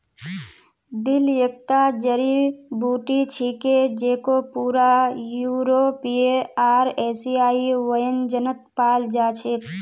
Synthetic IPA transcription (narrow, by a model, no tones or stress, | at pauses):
d̪iljək̚t̪ad͡ʒəɾibuʈit͡ʃʰiked͡ʒekopuːɾajuɾopieaːɾesiaːiʋəjənd͡ʒənət̪̚paːld͡ʒat͡ʃʰek